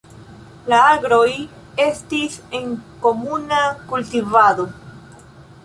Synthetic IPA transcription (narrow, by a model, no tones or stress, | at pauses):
laaɡɾo̞j | e̞stise̞ŋko̞munakultivad̪o̞